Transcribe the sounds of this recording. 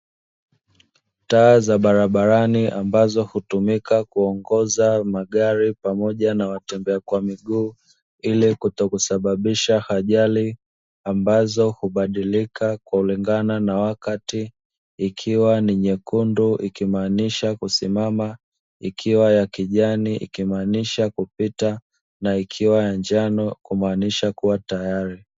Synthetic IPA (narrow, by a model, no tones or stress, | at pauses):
taːzaɓaɾaɓaɾaniʔambazɔhutumikakuɔŋɡɔzamaɡaɾipamɔʄanawatɛmbɛakwamiɡuː | ilikutɔkusaɓaɓiʃahaʄali | ambazɔhuɓaɗilikakwauliŋɡananawakatiː | kʰiwaniɲɛkunduʔikimaːniʃakusimama | ikʰiwajakiʄaniʔḭkimaːniʃakupita | naikʰiwajand͡ʒanɔkumaːniʃakuwatajaɾi